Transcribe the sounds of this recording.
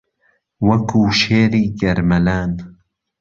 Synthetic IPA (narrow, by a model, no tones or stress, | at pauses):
wɐkʰuːʃeːɾiːɡɐɾmɐlaːn